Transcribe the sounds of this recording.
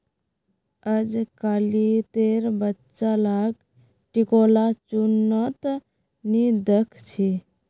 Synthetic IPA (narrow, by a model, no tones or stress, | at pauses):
əd͡ʒkalit̪eɾbətːt͡ʃalaɡ | ʈikolat͡ʃunːət̪ | nid̪əkʰt͡ʃʰi